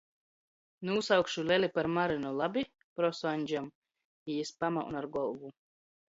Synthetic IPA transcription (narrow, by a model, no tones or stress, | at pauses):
nuusawkʃulʲɛlʲipaɾmaɾinulˠabʲi | pɾɔsanʲd͡ʒam | iispamaʔṵnaɾɡɔlˠɡu